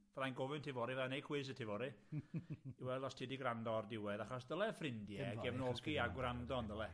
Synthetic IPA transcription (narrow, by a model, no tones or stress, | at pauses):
vɛðajnɡɔvɨntʰivɔɾivɛanejkʰwɪs̬ətʰivɔɾi | iwɛlˠdɔstʰiːdiɡrandɔrdɪwɛðaχɔsdəlɛfrɪndjɛɡɛvnɔlkiaɡwrandɔndəlˠɛ